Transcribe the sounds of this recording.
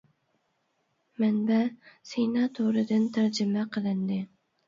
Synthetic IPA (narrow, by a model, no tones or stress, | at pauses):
manbasenɑt̪ʰoɾɪd̪ɪnt̪ʰaɾd͡ʒɪmaqʰɨlˠɪnd̪ɪ